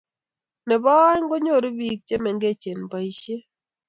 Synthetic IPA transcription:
nɛ˨bɔ˦jŋɡo˦ɲo˦˨ɾi˦bi˦k̚t͡ʃe˦mɛ˨ŋɡe˦˨t͡ʃe˨npa˨i˨ʃe˦

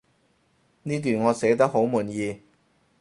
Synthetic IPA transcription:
niː˥t̪̬yː˨˩nŋɔː˨˧sɛː˨˥t̪ɐ˥k̚ho˨˥wmuː˨˩njiː˨˧

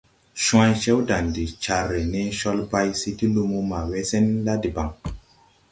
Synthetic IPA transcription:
ʃũ˦ã˦jt͡ʃe˦wda˨ndi˨t͡ʃa˨ɾːe˨ne˦ʃɔ˦lba˦jsi˦ti˦lu˧mu˦ma˨we˦se˦nla˦di˨ba˨ŋ

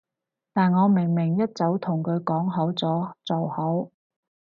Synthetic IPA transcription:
t̪aː˨nŋɔː˨˧mɪ˨˩ŋmɪ˨˩ŋjɐ˥t̚t͡sɐ˨˥wt̪ʰʊ˨˩ŋkʰɵ˨˧ɥkɔː˨˥ŋɦɐ˨˥wt͡sɔː˨˥t͡sɔ˨˩whɐ˨˥w

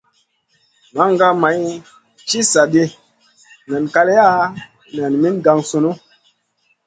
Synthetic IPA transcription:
ma˦ŋɡa˦ma˨˦j | t͡ʃi˦sa˨ɗe˦ | na˨nka˧le˦ja˦ | na˨nmi˦nɡa˦ŋso˨no˦

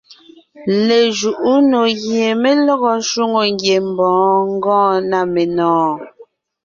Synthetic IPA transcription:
le˨ʒu˨ʔu˦no˨ɣje˨me˦lɔ˦ɣɔ˦ʃu˦ŋo˨ŋ˦ɡje˨m̩˨bɔ̃ː˨˦ŋ̩˦ɡɔ̃ː˦˨na˦˨me˨nɔ̃ː˦

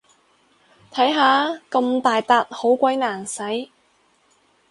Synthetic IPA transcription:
t̪ʰɐ˨˥jɦaː˨˧kɐ˧mt̪aː˨jt̪aː˨˧t̚ho˨˥wkʷɐ˨˥jnaː˨˩nsɐ˨˥j

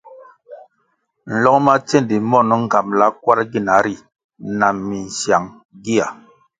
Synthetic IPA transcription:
n̩˨lɔ˦kma˦t͡se˦˨ndi˨mɔ˦˨nɔ˦ŋ̩˦˨ka˨mla˨˦kwa˦ɾɡi˦˨na˨˦ɾi˦˨ | na˨mːi˨n̩˨sja˨ŋ | ɡi˦a˨

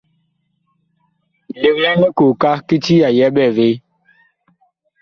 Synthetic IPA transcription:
le˨kja˦ni˦ko˨ka˦ki˦ti˦ja˨jɛ˦ɓɛ˦˨ve˨˦

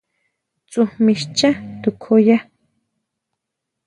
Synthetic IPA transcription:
t͡sʼu˨hmi˨ʃt͡ʃa˦t̪u˨kʰoja˦

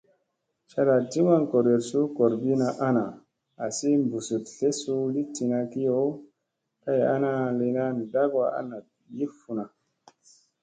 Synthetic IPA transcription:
t͡ʃa˧ɾa˨ti˦ma˦nko˨ɾe˨ɾsu˦ko˨ɾbi˦na˧ʔa˦na˨ | a˨si˦mbu˨su˨tɬe˦su˦li˦ti˧na˧ki˦jo˦ | ka˦ja̰˦na˦le˧na˦n˨da˦ɡwa˦a̰˦na˨ | ji˦fu˨na˨

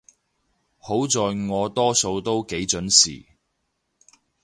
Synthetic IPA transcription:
ho˨˥wt͡sɔː˨jŋɔː˨˧t̪ɔː˥so˨˧wt̪o˥wke˨˥jt͡ʃɵ˨˥nsḭː˨˩

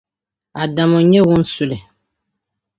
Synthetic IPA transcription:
a˨da˨mɔ˨ɲɛ˦wʊ̃˦n̩˦su˨lɪ˨

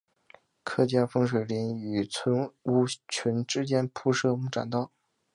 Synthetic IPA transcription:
kʰɤ˥˧t͡ɕjɑ˥˩nfɤ˥ŋʂ̬we˨˩ɪli˧˥ny˨˩t͡sʰwə˧˥nu˥t͡ɕʰi˧˥nʈ͡ʂɻ̩˥t͡ɕjɛ˥npʰu˥˧ʂɤ˥˧mu˥˩ʈ͡ʂa̰˨˩nt̪ɑ˥˩ʊ

